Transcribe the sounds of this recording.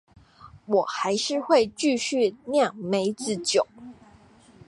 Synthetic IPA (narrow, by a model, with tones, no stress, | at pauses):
wɔ˨˩xa˨˦ɪʂɻ̩˥˧xwe˥˧ɪt͡ɕy˥˧˨ɕy˥˨njɑ˥˨ŋme˧˥ɪt͡sɹ̩˨˩˦t͡ɕjo˨˩˦